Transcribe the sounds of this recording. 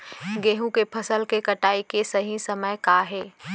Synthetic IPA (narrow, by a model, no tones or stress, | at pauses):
ɡeːɦũkepʰɐsəlkekɐʈaːikesɐɦĩsɐməjkaɦeː